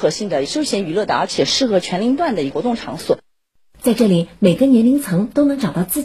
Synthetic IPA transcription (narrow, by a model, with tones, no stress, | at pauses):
xɤ˧˥ɕi˥˩ŋd̪ə˩ʂo˥ʊɕjɛ˧˥ny˧˥lɤ˥˩d̪ə˩ə˞˧˥t͡ɕʰjɛ˨˩ʂɻ̩˥˩xɤ˧˥t͡ɕʰɥɛ˧˥nli˧˥ŋt̪wa˥˩nd̪ə˩i˧˥kwɔ˧˥t̪ʊ˥˩ŋʈ͡ʂʰɑ̰˧˥ŋswɔ̰˨˩˦ | t͡sa˥˧ɪʈ͡ʂɤ˥˩li˨˩me˨˩ɪɡə˧˦njɛ˧˥nli˧˥ŋt͡sʰɤ˧˥ŋt̪o˥ʊnɤ˧˥ŋʈ͡ʂɑ˨˩ʊt̪ɑ˥˧ʊt͡sɹ̩˥˩